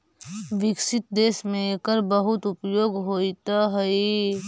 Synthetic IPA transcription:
ʋɪksɪt̪̚d̪eːsmẽekəɾbəɦʊt̪ʊpjoːɡɦoːit̪aɦɐi

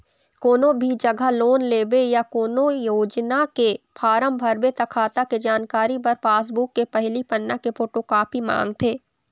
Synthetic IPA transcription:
koːnõbʱid͡ʒɐɡʱəloːnleːbejakoːnojoːd͡ʒnakepʰaːɾəmbʱɐɾbet̪ɐkʰaːt̪aked͡ʒaːnkaːɾipɐɾpaːs̬bukːepɐɦlipɐnːakepʰoːʈokaːpimã̰ːŋɡt̪ʰeː

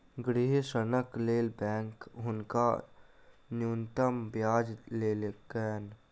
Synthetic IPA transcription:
ɡɾiɦesənəkleːlbɛ̃ːŋkɦʊnka | njuːnt̪əmbjaːd͡ʒleːlekɛːn

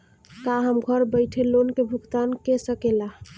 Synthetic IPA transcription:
kaɦəmɡʱəɾbəɪʈʰelonkebʱuɡt̪ankesəkela

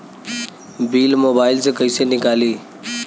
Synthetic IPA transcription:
biːlmoːbaːɪlseːkəiːseːnɪkaːliː

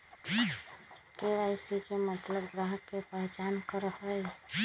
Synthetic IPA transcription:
keɾajsikemət̪ləbɡɾaɦəkkepəɦɛt͡ʃankəɾəɦəj

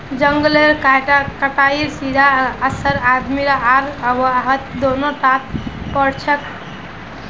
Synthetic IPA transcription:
d͡ʒəŋɡleɾkaʈkəʈaiɾsid̪aəsəɾad̪miɾaʔaɾəbɦət̪d̪onoʈat̪̚pəɽt͡ʃʰək

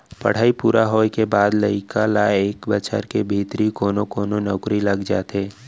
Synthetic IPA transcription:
pə̰ɽ̤aːipuːɾaɦoːkebaːd̪ləikalaeːkbət͡ʃʰə̰ɾkebʱiːt̪ɾikoːnokoːnonɔːkɾiləɡd͡ʒaːt̪eː

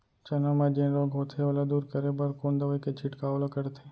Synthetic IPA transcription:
t͡ʃənomãd͡ʒẽnɾoɡʱot̪ʰeolod̪uːɾkəɾebəɾkond̪əʋəjket͡ʃʰɪʈkaolokəɾt̪ʰe

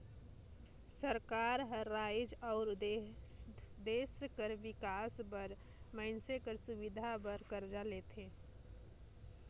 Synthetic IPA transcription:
səɾkaːɾɦəɾːaːjd͡ʒɔːɾ | d̪eːskəɾʋɪkaːsbəɾ | məɪnsekəɾsʊbɪd̪ʱabəɾkəɾd͡ʒalet̪ẽː

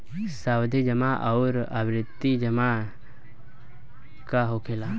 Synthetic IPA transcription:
sawd̪ʱid͡ʒəmaʔaʊɾabɾɪt̪ːid͡ʒəma | kaɦokʰela

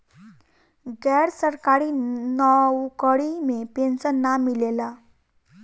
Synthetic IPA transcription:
ɡɛɽsəɾkaɾiːnəwkəɽimepensənːamːilela

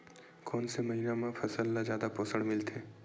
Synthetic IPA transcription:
koːnsemɐɦiːnamãfʰɐsəlːazjaːd̪apoːsəɽmɪlt̪ʰeː

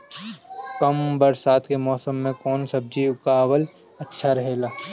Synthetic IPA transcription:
kɐmbɐɾsaːt̪ʰkemɔːsəmːẽkɔːnsɐb̚d͡ʒiːʋkaːwəl | ɐtːʃʰaɾɐɦeːɡaː

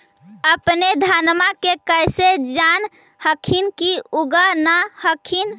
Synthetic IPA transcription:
əpned̪ʱanmakekəjsed͡ʒan | həkʰinkiuɡanahəkʰin

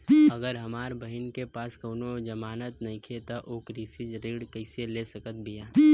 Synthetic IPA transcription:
ɐɡəɾɦɐmaːɾbəɦɪnkepaːskoːnod͡ʒɐmaːnət̪nɐɦĩkʰet̪aʔoːkɾisid͡ʒɾiːɽkəɪselesəkət̪̚bijaː

